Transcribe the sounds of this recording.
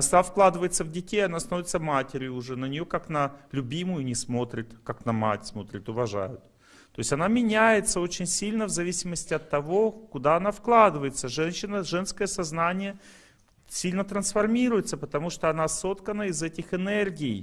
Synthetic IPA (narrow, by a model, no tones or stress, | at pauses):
snafklˠad̪ɨvəjɪt̪səvdʲɪtʲejɐnast̪ɐnovʲɪt̪səvmatʲɪɾʲɪʊʊʐɛnənʲɪjo̞kaknəlʲʊbʲimʊjʊnʲɪsmot̪ɾʲɪt̪kaknɐma̰tʲsmo̞t̪ɾʲɪt̪ʊvɐʐa̰jʊt̪̚ | t̪o̞ɪsʲɐnamʲɪnʲæjɪt̪səo̞t͡ɕɪnʲsʲilʲnəvzɐvʲisʲɪməsʲtʲɪɐt̪ːɐvo̞kʊd̪aɐnafklˠad̪ɨvəjɪt̪səʐɛnɕːɪnəʐɛnskəjəsɐznanʲɪjə | sʲilʲnət̪ɾənsfɐrmʲiɾʊjɪt̪səpət̪ɐmuʂt̪oɐnaso̞t̪kənəɪzɛtʲɪxɨnɛrɡʲɪː